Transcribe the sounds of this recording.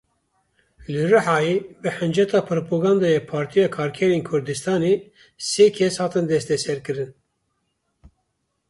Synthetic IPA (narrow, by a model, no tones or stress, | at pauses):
lɨrɨħɑːjeːbɨħɨnd͡ʒɛt̪ɑːpʰɨɾopʰoɡɑːnd̪ɑːjɛpʰɑːɾt̪ʰijɑːkʰɑːɾkʰɛɾeːnkʰʊɾd̪ɨst̪ɑːneː | seːkʰɛshɑːt̪ɨnd̪ɛst̪ɛsɛɾkɨɾɨn